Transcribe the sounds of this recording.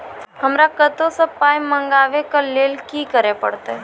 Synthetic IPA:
həmɾakət̪õsepaːjmmːə̃ŋɡaːʋekaleːlkikəɾepəɽt̪aɦ

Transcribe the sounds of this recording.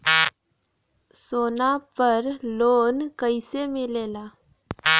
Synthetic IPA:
sonapəɾlonkəjsemilela

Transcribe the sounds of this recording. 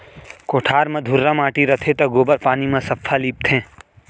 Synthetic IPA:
koːʈʰaːɾmɐ̃d̪ʱʊɾːɐmaːʈiɾɐt̪ʰet̪ɐɡoːbəɾpaːnimãsɐpʰːaliːp̚t̪ʰẽː

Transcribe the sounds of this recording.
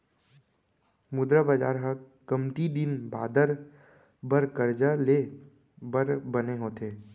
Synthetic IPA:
mʊd̪ɾabad͡ʒaːɾɦə | kəmt̪id̪ɪnba̰ːd̪əɾ | bəɾkəɾd͡ʒale | bəɾbəneɦoːt̪eː

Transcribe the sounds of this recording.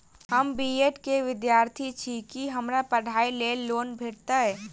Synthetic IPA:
ɦəmbieʈkeʋɪd̪jaːɾt̪ʰit͡ʃʰikiɦəmɾapəɽ̤aːileːlːoːnbʱeːɽt̪aɦɛː

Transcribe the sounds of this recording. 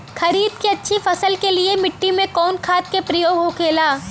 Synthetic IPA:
xʰɐɾiːd̪keɐtːʃʰifɐsəlkeliemɪʈːimẽkɔːnkʰaːt̪̚kepɾɐjoːɡɦokʰeːlaː

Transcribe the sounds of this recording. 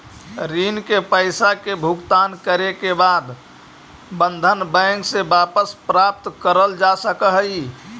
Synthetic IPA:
ɾiːnkepəɪsakebʱʊkt̪aːnkəɾekebaːd̪ | bə̃nd̪ʱənbɛ̃ːŋksebaːpəspɾap̚t̪kəɾəld͡ʒasəkəɦəi

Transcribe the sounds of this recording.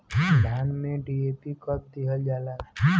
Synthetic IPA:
dʱaːnmẽɖieːpikəp̚d̪iɦəld͡ʒaːla

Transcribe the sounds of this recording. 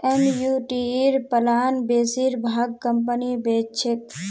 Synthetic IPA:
emjuʈiɾpəlaːnbesiɾbʱaɡ̚kəmpənibet͡ʃʰɪk̪

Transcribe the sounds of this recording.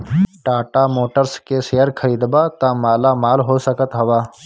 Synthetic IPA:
ʈaːʈamoːʈəɾskeseːəɾkʰəɾiːd̪baːt̪ãːmaːlamaːlɦoːsəkət̪ɦɐʋaː

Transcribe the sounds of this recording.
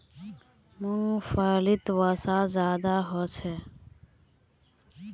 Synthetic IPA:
mũːfəːlɪt̪wəsaːzjaːd̪aːɦoːt͡ʃʰɛː

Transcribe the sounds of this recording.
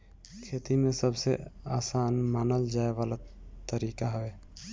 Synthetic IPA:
kʰeːt̪imẽsəbsḛaːsaːnmaːnəld͡ʒaːeʋaːlat̪əɾiːkaɦʊeː

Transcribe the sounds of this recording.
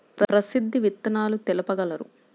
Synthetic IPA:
pɾɐɾɐsid̪ʱːiʋit̪ːɐnaːlut̪ɛlɐpɐɡɐlɐɾṵ

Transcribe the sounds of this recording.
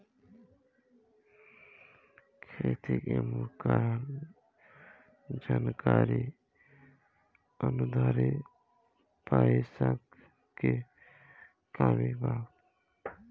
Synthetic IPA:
kʰɾet̪ikemuɾkaɾn | d͡ʒaːnkaɾi | ənud̪ʱaɾi | paisak | ke | kaːmibaː

